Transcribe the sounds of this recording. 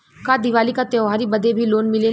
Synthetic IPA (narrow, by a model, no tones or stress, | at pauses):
kad̪ɪʋaːlikat̪jɔːɦaːɾibəd̪ebʱiloːnmɪle